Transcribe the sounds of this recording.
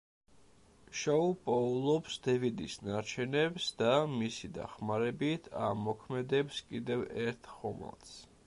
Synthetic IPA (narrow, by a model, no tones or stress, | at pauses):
ʃɛupʼɔulˠɔpsd̪̥ɛvid̪isnaɾt͡ʃʰɛnɛbsd̪amisid̪a̰χmaɾɛbit̪ʰa̰mɔkʰmɛd̪ɛpskʼid̪ɛvɛɾt̪ʰχɔma̰lˠt̪s